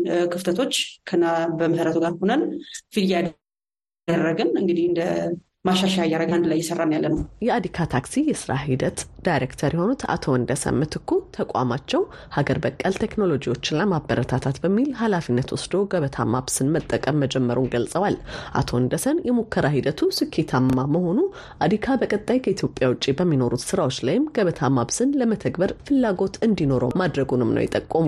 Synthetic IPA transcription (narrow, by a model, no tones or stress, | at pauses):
kʰɨft̪ʰət̪ʰo̞t͡ʃːkʰənːabəməsɾət̪ʰuɡaɾhonənfiljad̪ | ərːəɡɨnɨŋɡɨd̪ihɨnd̪ə | maʃaʃajajaɾəɡand̪lajːɛsərːamjalːənəwjɛad̪ikʰat̪ʰaksijɛsɨɾʔa̰ɦid̪ət̪d̪̥ajɾekt̪ʰəɾjɛho̞nut̪a̰t̪ʰoɨnd̪əsə̰nmɨt̪ʰɨkʰːut̪ʰəkʷʼa̰mat͡ʃːɛw | haɡəɾbəkʼːəlt̪ʰe̞kno̞lo̞d͡ʒiwo̞t͡ʃːɪnːamabːəɾət̪ʰat̪ʰat̪bəmːilhalafinːət̪wʊsd̪o̞ɡəβət̪ʰa̰maβsɨnmət̪ʼːəkʼəmːəd͡ʒɛmːəɾunɡəlsʼəwalʔa̰t̪ʰo̞ɨnd̪əsənjɛmukʰːəɾaɦid̪ət̪ʰusɨkʰːet̪ʰamːaməho̞nu | ʔad̪ikʰabəkʼət̪ʼːajkʰəit̪ʰjo̞pʼjawʊt͡ʃʼːibəmːino̞ɾut̪sɨɾawot͡ʃːlajɪmɡ̥əβət̪ʰamabsɨnləmət̪ʰəɡbəɾfɨlːaɡo̞t̪ɨnd̪ino̞ɾo̰mad̪ɾəɡunɨmnə̰wjɛ̰t̪ʼəkʼːəmu